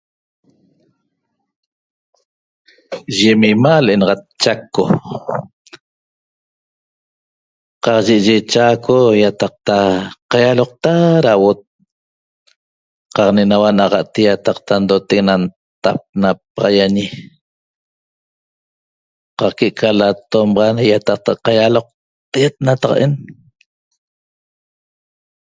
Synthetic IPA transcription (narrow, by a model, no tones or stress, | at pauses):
ʒemimalʔenɑʁɑt̪̚t͡ʃakːo | qɑqʒeʔʒet͡ʃakʰojat̪ɑq̚t̪aqajaloq̚t̪aɾawot̪̚ | qɑqnenawanaʁɑʔt̪ijat̪ɑqt̪and̪ot̪eknan | t̪ap̚nap̚ɑʁɑjaɲi | qɑqkeʔkʰalat̪omʁɑnjat̪ɑq̚t̪aqɑjaloq̚ | t̪et̪̚nat̪ɑqʔen